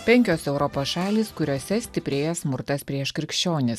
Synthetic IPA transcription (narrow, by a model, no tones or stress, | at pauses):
pʲɛŋʲkʲoːsɛʊɾɔpoːsʃɑːlʲiːskʊɾʲoːsʲɛsʲt̪ʲɪpʲɾʲeːjɛsmʊɾt̪ɐspʲɾʲiɛʃkɾʲɪkʃʲt͡ʃʲoːnʲɪs